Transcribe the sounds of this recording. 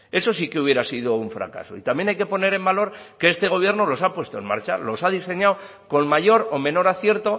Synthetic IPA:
e̞so̞s̬ike̞uβje̞ɾasiðo̞uɱfɾa̰ka̰so̞̰it̪amje̞najke̞po̞ne̞ɾe̞mbalo̞ɾke̞est̪e̞ɣo̞β̞je̞ɾno̞lo̞sapwe̞st̪o̞e̞nma̰ɾt͡ʃa̰lo̞sað̞ise̞ɲaw | ko̞nmaʎo̞ɾomẽ̞no̞ɾaθje̞ɾt̪o̞

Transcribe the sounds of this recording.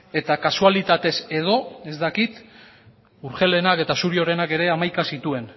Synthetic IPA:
e̞t̪akasualit̪at̪e̞se̞ð̞o̞e̞zd̪akit̪ | uɾxe̞le̞nake̞t̪asuɾio̞ɾe̞nake̞ɾe̞amajkasit̪ue̞n

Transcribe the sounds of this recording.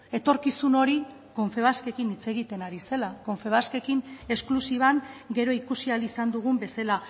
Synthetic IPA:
e̞t̪o̞ɾkisuno̞ɾi | ko̞ɱfe̞βaske̞kinit͡se̞ɣ̞it̪e̞naɾise̞lako̞ɱfe̞βaske̞kine̞sklusiβ̞aŋɡe̞ɾo̞ikusialisand̪uɣ̞umbe̞sela

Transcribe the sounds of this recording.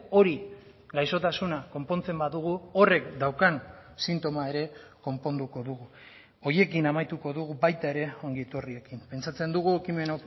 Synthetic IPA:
o̞ɾi | ɡajso̞t̪asunako̞mpo̞nt͡se̞mbaðuɣ̞uo̞re̞kd̪awkansint̪o̞maeɾe̞ko̞mpo̞nd̪uko̞ðuɣu | o̞ɾje̞kinamajt̪uko̞ðuɣubajt̪ae̞ɾe̞o̞ŋɡiet̪urie̞kimpe̞nt͡sat͡se̞nd̪uɣ̞uekime̞na

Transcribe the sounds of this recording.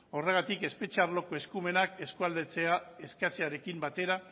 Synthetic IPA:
o̞re̞ɣat̪ike̞spe̞t͡ʃaɾlo̞ko̞e̞skume̞nake̞skuald̪et͡seae̞skat͡seaɾe̞kimbat̪e̞ɾa

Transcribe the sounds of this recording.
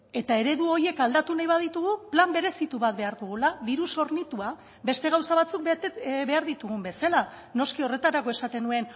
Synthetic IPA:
e̞t̪ae̞ɾe̞ðuo̞ɾje̞kald̪at̪unajβað̞it̪uɣ̞uplambe̞ɾe̞sit̪uβat̪̚βe̞aɾðuɣ̞ulaðiɾuso̞ɾnit̪ua | be̞st̪e̞ɣ̞awsaβat͡suk̪̚βe̞aɾðit̪uɣ̞umbe̞sala | no̞skio̞re̞t̪aɾako̞e̞sat̪e̞nue̞n

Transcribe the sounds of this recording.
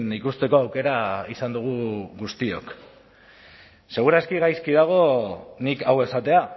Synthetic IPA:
nikust̪e̞ko̞awke̞ɾaisand̪uɣ̞uɣust̪io̞̰k | se̞ɣ̞uɾaskiɣajskiðaɣ̞o̞nikawe̞sat̪e̞a

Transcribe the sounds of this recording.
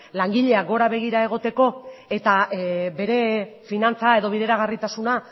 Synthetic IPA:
laŋɡiʎe̞aɡo̞ɾaβe̞ɣ̞iɾae̞ɣ̞o̞t̪e̞ko̞e̞t̪abe̞ɾe̞finant͡sae̞ðo̞β̞iðe̞ɾaɣarit̪asuna

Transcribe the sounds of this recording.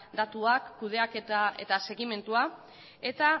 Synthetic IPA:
d̪at̪uakːuð̞e̞aket̪aet̪ase̞ɣime̞nt̪ua | e̞t̪a

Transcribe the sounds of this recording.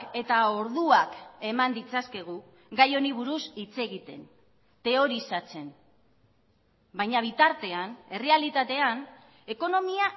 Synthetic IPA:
ke̞t̪ao̞ɾðuake̞mand̪it͡saske̞ɣ̞u | ɡajo̞niβ̞uɾusit͡se̞ɣit̪e̞̰n | t̪e̞o̞ɾisat͡se̞n | bajɲaβ̞it̪aɾt̪e̞ane̞re̞alit̪at̪e̞an | e̞ko̞no̞mia

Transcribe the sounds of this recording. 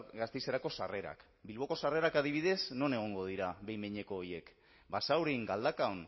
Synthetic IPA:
ɡast̪ejseɾako̞sare̞ɾa̰k | bilβo̞ko̞sare̞ɾakaðiβ̞iðe̞zno̞ne̞ɣ̞o̞ŋɡo̞ðiɾaβe̞jmeɲe̞ko̞ːje̞k | basawɾiŋɡald̪akaon

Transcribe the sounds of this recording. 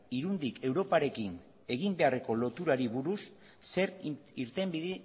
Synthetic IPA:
iɾund̪ike̞wɾo̞paɾe̞kin | e̞ɣimbe̞are̞ko̞lo̞t̪uɾaɾiβuɾusː | e̞ɾiɾt̪e̞mbiði

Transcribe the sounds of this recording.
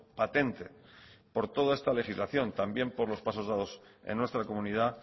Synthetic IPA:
pat̪e̞nt̪e̞po̞ɾt̪o̞ðoe̞st̪ale̞xizlaθjo̞nt̪ambje̞mpo̞ɾlo̞spaso̞zðað̞o̞sḛnːwe̞st̪ɾako̞mũnið̞a

